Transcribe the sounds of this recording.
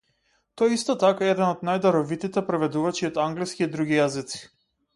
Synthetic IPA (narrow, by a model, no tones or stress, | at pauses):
t̪ɔjɛist̪ɔt̪akaɛɛd̪ɛnɔd̪najd̪aɾɔvit̪it̪ɛpɾɛvɛd̪uvat͡ʃiɔt̪aŋɡliskiːd̪ɾuɡijazit̪si̥